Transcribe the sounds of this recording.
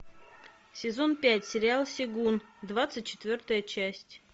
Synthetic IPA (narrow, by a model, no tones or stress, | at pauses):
sʲɪzo̞npʲætʲsʲɪɾʲɪalˠsʲɪɡund̪vat̪sɨt̚ʲt͡ɕːɪ̥t̪vʲort̪əjət͡ɕæsʲtʲ